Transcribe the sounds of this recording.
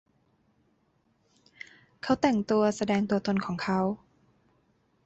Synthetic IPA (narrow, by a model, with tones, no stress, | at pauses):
kʰa˦˥wt̪ɛ˨˩ŋt̪u˧ɐsa˧dɛː˧ŋt̪u˧ɐt̪o˧nkʰɔː˩˦ŋkʰa˦˥w